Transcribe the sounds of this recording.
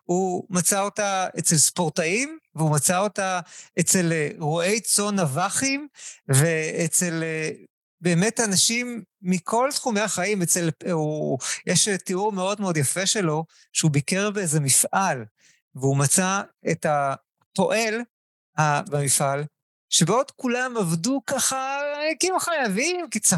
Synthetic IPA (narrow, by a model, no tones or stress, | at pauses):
humat͡sao̞taet͡selspo̞ʁtaimveumat͡sao̞taet͡se̞leʁoʔe̞jt͡so̞navaχimveet͡sele | beːme̞tanaʃimːikʰo̞ltχumejaχaimet͡selujeʃteuʁmeo̞dmeo̞djafe̞ʃe̞lo̞ | ʃeubikeʁbeezemifʔal | veumat͡saeta | po̞ʔe̞l | habamifʔal | ʃebeodkulamavdukaχakimaχajavimkit͡sa